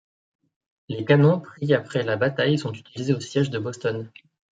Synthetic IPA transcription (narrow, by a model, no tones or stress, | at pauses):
lekanɔ̃pχiapχɛlabat̪ajsɔ̃t̪y̥t̪ilizeosjɛʒd̪əbɔst̪ɔn